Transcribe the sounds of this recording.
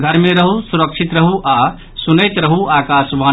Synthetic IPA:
ɡ̪ʱɐɾmeɾɐɦusuɾəkʂit̪ɾɐɦuʔa | sunəjt̪ɾɐɦuʔaːkaːsʋaː

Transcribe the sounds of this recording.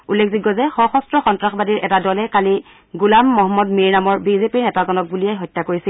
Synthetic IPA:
ulːekʰziɡɔzɛxɔxɔstɹɔxɔntɹaxbadiɹʔɛtadɔlɛkali | ɡulamːɔɦɔmːɔdmiɹnamɔɹbizepiɹnɛtazɔnɔk̚buliɛjɦɔjtːakoɹisil

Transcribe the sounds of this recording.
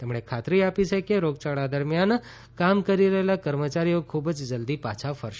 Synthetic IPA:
t̪emɳekʰat̪ɾiapit͡ʃʰekeɾoɡ̚t͡ʃaɭad̪əɾmjan | kamkəɾiɾəɦelakəɾmət͡ʃaɾijokʰubd͡ʒd͡ʒəld̪ipa̰t͡ʃʰafəɾʃ

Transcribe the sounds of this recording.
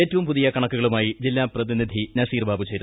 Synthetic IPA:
e̞ːtːɐʋumpuðijɐkɐɳɐkːuɣɐɭumaːjid͡ʑilːaːprɐðinid̪ʱinɐsiːrbʱaːbut͡ɕe̞jɾu

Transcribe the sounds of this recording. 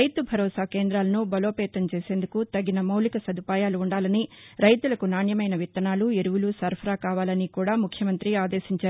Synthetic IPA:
ɐjt̪ubʱɐɾɔːsaːkeːnd̪ɾaːlɐnubɐloːpɛːt̪ɐmt͡ʃeːse̞ːnd̪ukut̪ɐɡːinɐmɐwlikɐsɐd̪upaːjaːluːɳɖaːlɐniɾɐjt̪ulɐkunaːɳjɐmɐjnɐʋit̪ːɐnaːlueɾuʋulusɐɾpʰɐɾaːkaːʋaːlɐnikuːɽaːmukʰjɐmɐnt̪ɾiaːd̪eːʃiɲt͡ʃaːɾu

